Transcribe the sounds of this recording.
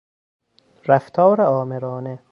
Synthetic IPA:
ɾæft̪ʰɒːɾeɒːmeɾɒːne

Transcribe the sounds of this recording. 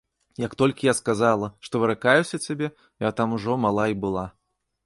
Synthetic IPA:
jɐkt̪ɔlʲkʲijaskazalˠɐʂt̪ɔvɨɾakajusʲɐt͡sʲabʲɛ | jat̪amuʐɔmalˠaibɨlˠa

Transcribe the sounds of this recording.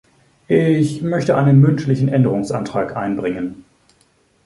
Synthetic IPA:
ʔɪçmœçtəʔaɪnənmʏntlɪçn̩ʔɛndəʁʊŋsʔantʁ̥aːkʔaɪnbʁɪŋən

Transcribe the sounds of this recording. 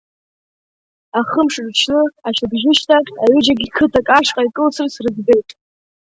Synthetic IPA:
aχəmʂɨrt͡ʃʰnɨaʃabʒɪʃtʰakʲʼaɥʏd͡ʒaɡʲikʰɨtʰakʼaʂqʼaikʼɨlt͡sʰɨrsrɨzbe̞jtʼ

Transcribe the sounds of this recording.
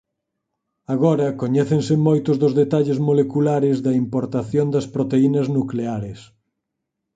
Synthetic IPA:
aɣ̞ɔɾɐkoɲɛθẽnsɪmojt̪ʊzðʊzðet̪aʎɪzmolekulaɾɪzðɐimpoɾt̪aθjond̪ɐspɾot̪einɐznukleaɾɪs

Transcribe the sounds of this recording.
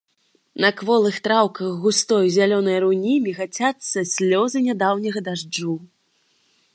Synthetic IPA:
nɐkvɔlˠɨxt̪ɾawkɐɣɣust̪ɔjzʲalʲɔnɐjɾunʲimʲiɣat͡sʲat̪sːɐsʲlʲɔzɨnʲad̪awnʲɐɣɐd̪aʐd͡ʐu

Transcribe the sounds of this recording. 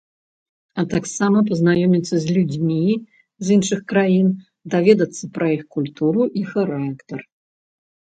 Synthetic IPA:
ɐt̪aksamɐp̬ɐznajɔmʲit̪sːɐzʲlʲud͡zʲmʲi | zinʂɨxkɾajin | d̪avʲɛd̪ɐt̪sːɐpɾʔɐjixkulʲt̪uɾuʔixaɾakt̪ɐr

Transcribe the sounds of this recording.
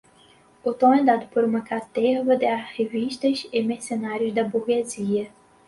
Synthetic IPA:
ot̪õɛd̪ad̪ʊpoɾũmɐkat̪ɛvɐd̪ɪaheviʃt̪ɐzɪmesenaɾjʊzd̪ɐbuɾɡeziɐ

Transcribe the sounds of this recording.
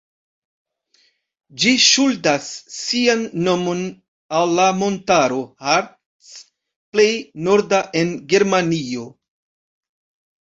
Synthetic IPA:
d͡ʒiʃuldasːianːo̞mo̞n | alːamo̞ntaɾo̞haɾt | s | ple̞jno̞ɾdaʔe̞nɡe̞ɾmanio̞

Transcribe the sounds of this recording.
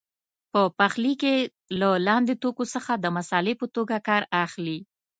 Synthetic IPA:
pəpaxlike | lalɑnd̪et̪okosəxad̪əmasɑlɪpət̪oɡakɑɾaxli

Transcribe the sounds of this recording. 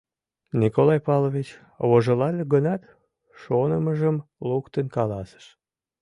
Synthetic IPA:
nikolɑjpɑlovʲit͡ɕ | βoʒəlɑlʲeɣənɑt̪ | ʃonəməʒəmlukt̪ənkɑlɑsə̥ʃ

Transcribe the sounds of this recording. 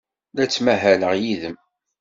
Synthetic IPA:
læt͡sːmæɦæləʁjiðəm

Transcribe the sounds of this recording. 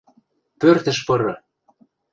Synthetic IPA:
pørt̪ə̆ʃpɤɾɤ̆

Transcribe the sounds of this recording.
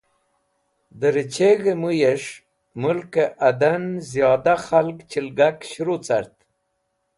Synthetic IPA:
d̪əɾit͡ʃeɣemujeʂ | mulkeʔad̪anzjɑd̪axalkt͡ʃilɡakɕɾut͡saɾt̪

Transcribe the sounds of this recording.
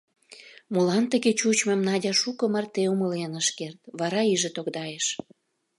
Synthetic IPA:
molɑnt̪əɣet͡ɕut͡ɕmemnɑdʲɑʃukɤ̆mərt̪eumə̆lenəʃkert̪βɑɾɑiʒĕt̪oɣd̪ɑjeʃ

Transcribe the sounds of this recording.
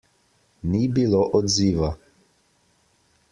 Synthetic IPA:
nibiloʔɔd̪ziːʋa

